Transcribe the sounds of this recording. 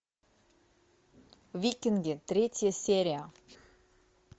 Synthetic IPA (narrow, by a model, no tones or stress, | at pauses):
vʲikʲɪnɡʲɪt̪ɾʲetʲjəsʲeɾʲɪjə